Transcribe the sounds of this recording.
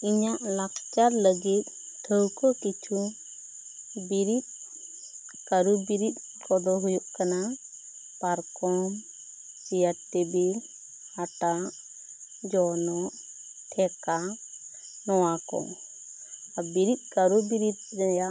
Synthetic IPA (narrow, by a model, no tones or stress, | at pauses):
iɲaʔlakt͡ʃaɾləɡit̪̚ˀ | ʈʰəwkɔkit͡ʃʰu | biɾit̪̚ | kaɾubiɾit̪̚ˀ | kɔd̪ɔɦujuʔkana | paɾkɔm | t͡ʃijaʈʈɛbil | haʈaʔ | d͡ʒɔnɔʔ | ʈʰɛka | nɔwakɔ̰ | abiɾit̪̚ˀkaɾubiɾit̪̚d͡ʒajaʔ